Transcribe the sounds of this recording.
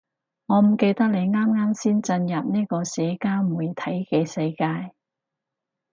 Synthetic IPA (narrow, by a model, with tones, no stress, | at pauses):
ŋɔː˨˧m̩˨˩ke˧jt̪ɐ˥k̚le˨˧jŋaː˥mŋaː˥msiː˥nt͡sɐ˧njɐ˨p̚niː˥kɔː˧sɛː˨˧kaː˥wmuː˨˩jt̪ʰɐ˨˥jkɛː˧sɐ˧jkaː˧j